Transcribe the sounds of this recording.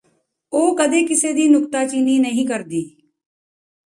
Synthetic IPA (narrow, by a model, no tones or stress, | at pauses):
oːkəd̪eːkɪseːd̪iːnʊkt̪aːt͡ʃiːniːnəɦĩːkəɾd̪iː